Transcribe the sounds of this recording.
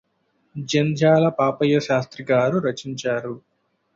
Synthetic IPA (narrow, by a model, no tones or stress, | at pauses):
d͡ʒɐnd͡ʒaːlɐpaːpɐjɐʃaːst̪ɾiɡaːɾuɾɐt͡ʃiɲt͡ʃaːɾu